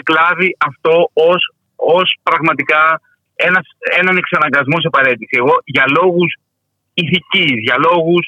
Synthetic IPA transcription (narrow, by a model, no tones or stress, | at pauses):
klɐviʔɐft̪o̞os | ospɾɐɣmɐt̪ikɐ | e̞nɐse̞nɐneksɐnɐŋɡɐzmos̬ɐpɐɾe̞t̪isie̞ɣo̞ʝɐlo̞ɣus | iθicizʝɐlo̞ɣus